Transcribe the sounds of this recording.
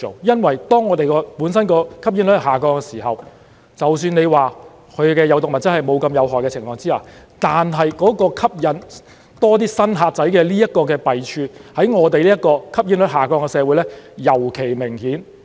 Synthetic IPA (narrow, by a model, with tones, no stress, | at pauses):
o˨wjɐ˥nwɐ˨jt̪ɔː˥ŋɔː˨˧t̪e˨jkɔː˧puː˨˥nsɐ˥nkɔː˧kʰɐ˥p̚ji˥nlɔ˨˥˨haː˨˩kɔː˧ŋkɛ˧siː˨˩hɐ˨w | t͡sɐ˨ws̬yː˧ne˨˧jwaː˨ | kʰɵ˨˧ɥkɛː˧jɐ˨˧wt̪ʊ˨k̚mɐ˨t̚t͡sɐ˥nhɐ˨jmo˨˧wkɐ˧mjɐ˨˧wɦɔː˨˩jkɛ˧ɪ˨˩ŋfɔː˧ŋt͡siː˥aː˨˩ | t̪aː˨nɦɐ˨jkɔː˨˥kɔː˧kʰɐ˥p̚jɐ˨˥n | t̪ɔː˥t̪̬iː˥sɐ˥nɦaː˧t̚t͡sɐ˨˥jkɛ˧liː˥jɐ˥t̚kːɔː˧k̬ɛː˧pɐ˨jt͡ʃʰyː˨˧hɐ˨˥jŋɔː˨˧t̪̬e˨jliː˥jɐ˥t̚kɔː˧kʰɐ˥p̚ji˥nlʊ˨˥t̚haː˨˩kɔː˧ŋkɛ˧sɛː˧wuː˨˥jlɛ˥jɐ˨˩wkʰe˨˩jmɪ˨˩ŋhiː˨˥n